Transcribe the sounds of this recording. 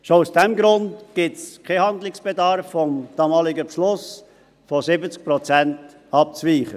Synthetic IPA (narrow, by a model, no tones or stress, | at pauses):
ʃousd̥ɛmɡɾʊndɡ̥ɪtskʰehɑndlɪksb̥edɑɾfːɔmd̥ɑːmɑːlɪɡəpʃlʊs | fɔsɪbət͡sk̚pɾɔt͡sɛnt | ɑp̚t͡sviːχə